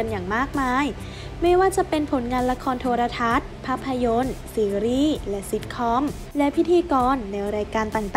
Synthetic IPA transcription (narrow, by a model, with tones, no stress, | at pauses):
a˧njaː˨˩ŋmaː˥˩k̚maː˧j | ma˥˩jwaː˥˩t͡ɕa˨˩pe˧npʰo˩˦nŋaː˧nla˧kʰɔː˧nt̪ʰoː˧ɾa˧t̪ʰa˦˥t̪̚pʰaː˦˥pʰːa˧jo˧nsiː˨˦ɾiː˥˩lɛ˦˥si˦t̪̚kʰɔː˦˥m | lɛ˦˥pʰi˦˥t̪ʰiː˧kɔː˧nːa˧jɾaː˧jkaː˧nt̪aː˨˩ŋt̪ː